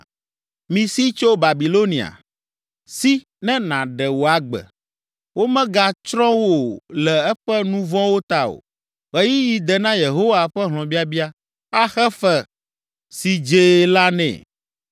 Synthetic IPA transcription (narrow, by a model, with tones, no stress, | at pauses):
mĩ˨si˦t͡ʃo˦ba˨bi˨lo˦nĩ˨a̰˨ | si˦ | nɛ̃˦nã˨ɖɛ˨wo˨a˨ɡ͡bɛ̰˨ | wo˦mɛ̃˦ɡa˦t͡ʃɾɔ̃˦wo˦˨lɛ˨ɛ˦ɸɛ˦nũ˦vɔ̃˦wo˦t̪a˦o̰˨ | ɣɛ˨ji˦ji˨d̪ɛ˨nã˦je˨ɦo˦wa˨ɸɛ˦ɦlɔ̃˨bi˦a˦bi˦a˦ | a˦xɛ˦fɛ˨ | si˨d͡ʒe˨la˦nɛ̰̃˨